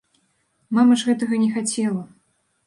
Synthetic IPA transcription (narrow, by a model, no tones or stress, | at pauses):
mamɐʐɣɛt̪ɐɣɐnʲɛxat͡sʲɛlˠɐ